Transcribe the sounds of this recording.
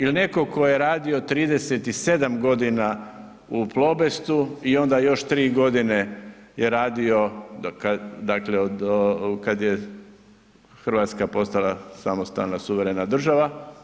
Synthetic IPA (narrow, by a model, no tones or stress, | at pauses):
ilne̞ko̞ko̞jeɾaːd̪io̞t̪ɾiːd̪e̞set̪ise̞d̪amɡo̞d̪ina | uplˠo̞be̞st̪uio̞nd̪ajo̞ʃt̪ɾiːɡo̞d̪ine̞jeɾaːd̪io̞kad̪akleokad̪je | xr̩ʋaːt̪skapo̞st̪alasamost̪a̰lnasuʋeɾe̞nad̪r̩ʒaʋa